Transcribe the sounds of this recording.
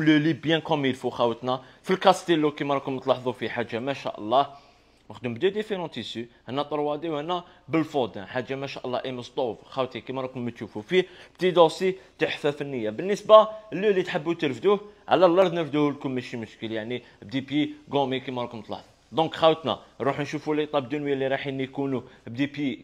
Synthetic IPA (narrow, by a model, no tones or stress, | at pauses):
wləlibjæ̃kɔmilfuxæwət̪næfilkɑst̪əlːukimæɾˤɑkʊmət̪ˤlɑħðˤufiħaʒːamæʃæ̰ʔə̰lˤːɑ | məxd̪əmbd̪od̪ifeɾɑ̃t̪isyhænːæt̪ˤəɾˤwɑd̪iwhænːæ | bəlfod̪æ̃ħaʒːamæʃæʔəlˤːɑ̰ʔiməst̪ˤofxæwt̪hikimæɾˤɑkʊmːət̪ʃufufibt̪id̪osit̪əħfæfənːəjːabənːisbalːulit̪ħəbːut̪əɾfd̪uʕalælːɑɾˤd̪nəɾfd̪uhlkʊlmæʃimʊʃkəljaʕni | b̚d̪ipjiɡomikimæɾˤukmət̪ˤlɑ̰ħðˤu | d̪ɔ̃kxæwət̪na̰ɾˤuħnʃufulːit̪ˤɑbd̪unwjːælːiɾˤɑħinːikunubd̪ipji